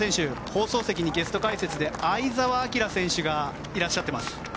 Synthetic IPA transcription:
ẽɕɨho̞ːso̞ːse̞kʲiɲ̟iɡe̞sɨ̥t̪o̞kaise̞t͡sɨd̪e̞aizaβaːkʲiɾasẽ̞ɕɨɡa | iɾaɕːat̪ːemasɨ̥

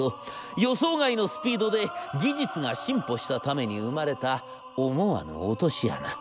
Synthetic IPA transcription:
ojo̞so̞ːɡaino̞sɨ̥pʲiːd̪o̞d̪e̞ɡʲiʑit͡sɨŋaɕĩmpo̞ɕi̥t̪at̪ame̞ɲ̟iɯ̟maɾe̞t̪a | omoβa̰no̞̰ːt̪o̞ɕija̰na

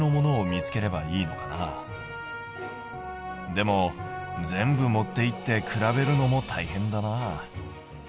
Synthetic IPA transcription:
no̞mo̞no̞ːmʲit͡sɨ̥ke̞ɾe̞baiːno̞̰kana̰ | d̪e̞mo̞d͡zẽ̞mbɯ̟mo̞t̪ːe̞it̪ːe̞kɯ̟ɾabe̞ɾɯ̟no̞mo̞t̪ʰaihẽ̞nd̪anaː

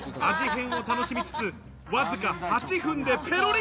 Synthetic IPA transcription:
aʑiɦẽ̞ɰ̃o̞t̪ano̞ɕimʲit͡sɨ̥t͡sɨ | βazɨkahat͡ɕiɸɯ̟̃nd̪e̞pʰe̞ɾo̞ɾʲ

